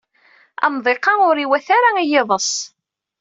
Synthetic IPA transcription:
ɑ̰mðˤeqːɑʊɾiwæθaɾaijɪðˤəsˤ

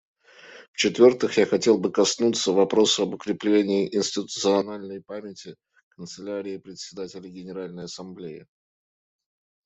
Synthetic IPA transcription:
ft͡ɕɪt̪vʲo̞rt̪ɨxjaxɐtʲe̞lˠbɨkɐsnut̪sːəvɐpɾo̞sʊɐbʊkɾʲɪplʲenʲɪːʔɪnsʲtʲɪt̪ʊt̪sɨɐnalʲnəjpamʲɪtʲɪ | kənt̪sɨlʲaɾʲɪɪpɾʲɪt̪ʲsʲɪd̪atʲɪlʲɪɡʲɪnʲɪɾalʲnəjɐsɐmblʲejɪ̰

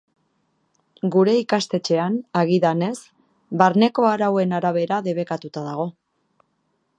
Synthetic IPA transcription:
ɡuɾe̞ikast̪e̞t͡ʃe̞anaɣ̞iðane̞s | baɾne̞ko̞aɾawe̞naɾaβ̞e̞ɾaðe̞β̞e̞kat̪ut̪aðaɣ̞o̞

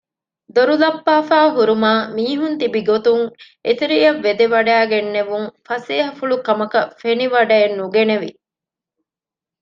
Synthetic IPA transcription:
d̪oɾulɐpːaːfaːɦuɾumaːmiːɦunt̪ibiɡot̪uŋʔet̪iɾijɐʋːed̪eʋɐɖæːɡenːeʋuŋfɐseːɦɐfuɭukɐmɐkɐfeniʋɐɖɐenːuɡeneʋi

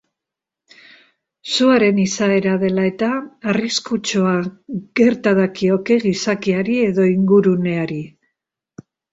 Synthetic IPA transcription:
suaɾe̞nisae̞ɾað̞e̞lae̞t̪aːriskut͡ʃoaɣe̞ɾt̪aðakio̞ke̞ɣisakiaɾie̞ðo̞iŋɡuɾune̞aɾi

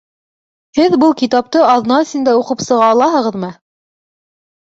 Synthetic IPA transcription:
hɘðbɤlˠkit̪ɑp̚t̪ɤɑðnɑɵ̆sɘ̆nd̪æuqɤpsɤ̆ʁɑːlˠɑɦɤ̆ʁɤ̆ðmɤ

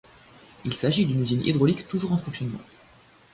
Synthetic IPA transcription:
ilsaʒid̪ynyzinʔḭd̪ʁɔlikt̪uʒuʁɑ̃fɔ̃ksjɔnmɑ̰̃

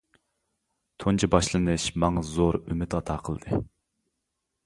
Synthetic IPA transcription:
t̪ʰont͡ʃʰibɑʃlˠɨnɨʃmɑŋɑzoɾymɪt̪ɑt̪ʰɑːqʰəlˠd̪ɨ

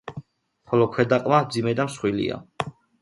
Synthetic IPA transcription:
χɔlɔkʰwɛd̪aqʼmamd̪zimɛd̪amsχwilḭa̰

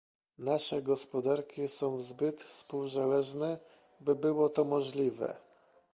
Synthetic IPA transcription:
naʂɛɡɔspɔd̪aɾkʲisɔ̃w̃vzbɘt̪fspuwzalɛʐnɛ | bɘbɘwɔt̪ɔmɔʐlʲivɛ̰

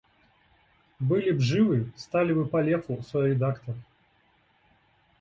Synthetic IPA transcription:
bɨlʲibʐɨvɨst̪alʲivɨpɐlʲɛfusɔjɾʲɪd̪akt̪ɐr

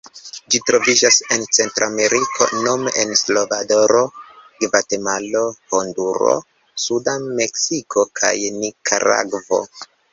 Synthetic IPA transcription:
d͡ʒitɾo̞vid͡ʒase̞nt͡se̞ntɾoame̞ɾikʰo̞̰no̞menslo̞vado̞ɾo̞ɡvatemalo̞honduɾo̰ | sudame̞ksikʰo̞kʰa̰jnikʰa̰ɾa̰ɡvo̞̰

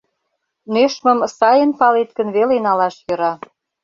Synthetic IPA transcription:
neʃmə̆msɑjənpɑlet̪kə̆nβelenɑlɑʃjɤ̆ɾɑ

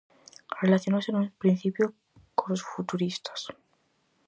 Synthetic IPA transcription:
relaθjonosenupɾin̟θipjo | konlosfut̪uɾist̪ḁs

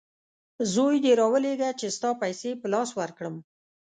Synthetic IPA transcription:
zojd̪eɾɑwəleɡat͡ʃest̪ɑpajsepəlɑswaɾkɽəm

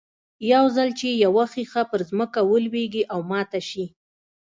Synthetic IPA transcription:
jawzalt͡ʃejawaxixapəɾzməkawəlweɡiʔawmɑt̪aʃi

